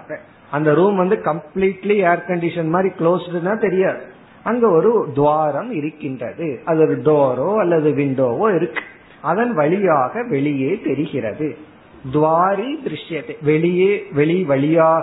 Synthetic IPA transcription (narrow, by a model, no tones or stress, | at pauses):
ɐ | ɐnd̪ɐɾuːmʋɐnd̪ɯkɐmpliːʈlieːɐɾkɐɳɖɪʂɐnmaːd̪ɾikɭoːsɯʈːɯnaːt̪ɛɾɪjaːðɯ | ɐŋɡeːɔɾɯd̪ʋaːɾɐmɪɾɯkːɪndrɐ̰ðɯɐlɐðɯɖoːɾoːɐlːɐðɯʋɪɳɖoːʋoːɪɾɯkːɯ̥ | ɐðɐnʋɐɭɪjaːɣɐʋɛɭɪjeːt̪ɛɾɯɣɪɾɐ̰ðɯ | d̪ʋaːɾid̪ɪɾɪʂjɐt̪ːeʋɛɭɪjeːʋɛɭiʋɐɭɪjaː